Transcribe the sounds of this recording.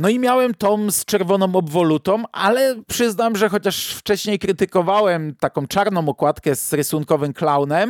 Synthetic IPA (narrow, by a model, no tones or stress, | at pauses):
nɔimʲjawɛmt̪ɔmst͡ʂɛɾvɔnɔ̃w̃ɔbvɔlut̪ɔ̃wʔa̰lɛpʂɘznamʐɛxɔt͡ɕaʂft͡ʂɛɕɲejkɾɘt̪ɘkɔvawɛmt̪akɔ̃w̃t͡ʂaɾnɔ̃w̃ɔkwat̪kɛzɾɘsuŋkɔvɘmklawnɛm